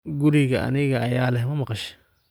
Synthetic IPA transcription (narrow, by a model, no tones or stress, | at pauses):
ɡʊɾiɣɐʔɐ̰nɪɣɐʔɐjaːlɛɦmɐmɐqɑʃ